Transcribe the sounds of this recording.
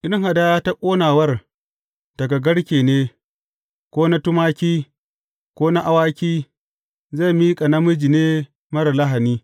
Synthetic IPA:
ʔɪ˦ŋɦa˨da˦ta˦kʷʼoː˦naː˨wɐ˦r | d̥ɐ˨ɡa˨ɡɐ˦ɽkʲeː˨neː˦ | kʷoː˦na˦tʊ˦maː˦kʲiː˦ | kʷoː˦na˦ʔa˦waː˦kʲiː˦ | ze˦˨miː˦kʼa˨nɐ˦mʊ˦d͡ʒi˨neː˦ | mɐ˦ɾa˨la˦ɦa˨niː˦

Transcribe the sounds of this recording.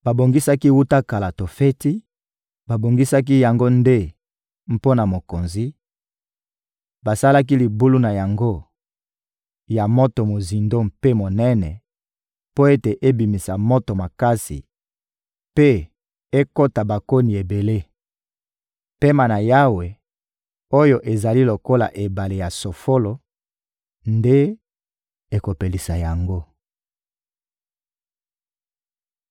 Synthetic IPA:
ba˨bo˨ŋɡi˦sa˦ki˦wu˦ta˦ka˨la˨to˨fe˦ti˦ | ba˨bo˨ŋɡi˦sa˦k̬i˦ja˨ŋɡo˦nde˦ | m̩˨po˦na˨mo˨ko˨nzi˦ | ba˨sa˦la˦k̬i˦li˨bu˦lu˦na˨ja˨ŋɡo˦ | ja˨mo˦to˨mo˨zi˨ndo˦mpe˦mo˨nɛ˦nɛ̰˨ | po˦e˦te˨ʔe˦bi˨mi˨sa˨mo˦to˨ma˨ka˦sḭ˨ | pe˦ | e˦ko˦ta˨ba˨ko˦ni˨e˨be˨le˦ | pe˦ma˨na˨ja˦we˨ | o˦jo˨ʔe˨za˨li˦lo˨ko˦la̰˨ʔe˨ba˨le˨ja˨so˨fo˦lo˨ | nde˦ | e˨ko˨pe˨li˨sa˨ja˨ŋɡo˦

